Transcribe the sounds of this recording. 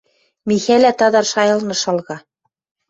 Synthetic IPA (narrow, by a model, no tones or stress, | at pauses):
mixælæt̪ɑðɑɾʃɑjɤ̆lˠnɤ̆ʃɑlˠʁɑ